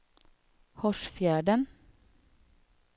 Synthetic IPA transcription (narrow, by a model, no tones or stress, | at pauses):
hɔʃfjæːɖən